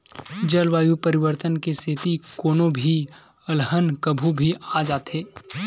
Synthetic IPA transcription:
d͡ʒəlʋaːjupɐɾɪʋəɾt̪ənkeset̪ikoːnõbʱi | əlɦənkəbʱubʱiʔaːd͡ʒaːt̪ɦeː

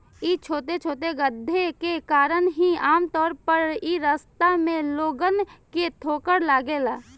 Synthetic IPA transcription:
it͡ʃʰoːt̪et͡ʃʰoːt̪̬eɡəd̪ʱːekekaːɾəɳɦiaːmt̪ɔːɾpəɾiɾəst̪amẽloːɡənket̪ʰoːkəɾlaːɡeːlaː

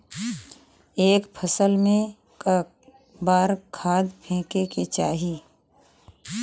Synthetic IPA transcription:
eːkpʰəsəlmẽ | baːɾkʰaːd̪pʰẽːkeket͡ʃaːɦi

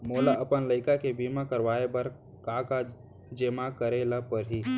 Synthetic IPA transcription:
moːlaʔəpənləɪkakebiːmakəɾʋaːebəɾ | kaːka | d͡ʒemakəɾeːlapəɾɦi

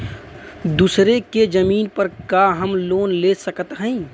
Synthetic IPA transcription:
d̪uːsɾeked͡ʒəmiːnpəɾkaɦəmloːnleːsəkət̪ɦɛ̃i

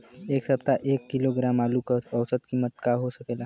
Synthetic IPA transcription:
eksəpt̪aʔekːiloɡɾamalukəsəwsət̪kiməʈ̚kaɦosəkela

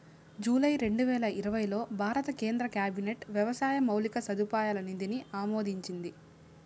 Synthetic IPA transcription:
d͡ʒuːlɐjɾe̞ɳɖuʋɛːlɐʔiɾɐʋɐjlo̞ːbʱaːɾɐt̪ɐke̞ːnd̪ɾɐkjaːbine̞ʈʋjɛʋɐsaːjɐmɐwlikɐsɐd̪upaːjaːlɐnind̪iniʔaːmoːd̪ʱiɲt͡ʃind̪i

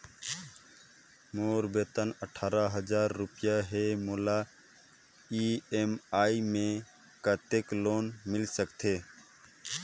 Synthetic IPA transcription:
moːɾbeːt̪ənəʈʰaːɾaɦəzaːɾːʊpɪjaɦemoːlaː | iːeːmaːimẽ | kat̪ekloːnmɪlsəkt̪ʰeː

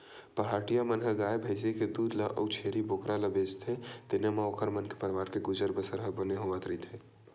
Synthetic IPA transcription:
pəɦaʈijamənɦəɡaebʱəɪs̬eked̪ud̪ləʔə̰wt͡ʃʰeɾibokɾaləbet͡ʃt̪ʰet̪enəmeokəɾmənke̥pəɾʋaɾkeɡud͡ʒəɾbəsəɾɦəbəneɦoʋət̪ɾəɦit̪ʰɦe

